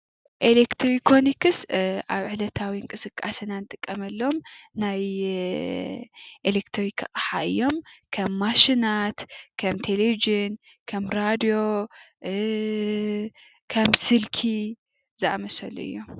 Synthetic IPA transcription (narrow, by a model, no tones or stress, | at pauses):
ʔelekt̪ʰɾikʰonikɨsʔaβʕɨlɐt̪ʰawiɨŋkʼɨsɨkʼːasɨnanɨt̪ʼɨkʼːɐmɐlːɐomnaj | ʔelekt̪ʰɾikʰaxʼħa̰ʔɨ̰jːo̞mkʰɐmːaʃinat̪kʰɐmt̪ʰelevid͡ʒɨn | kʰɐmɾad̪ijo̞ | kʰɐmsɨlkʰi | zɨʔa̰mɐsɐlːo̰ʔɨ̰jːom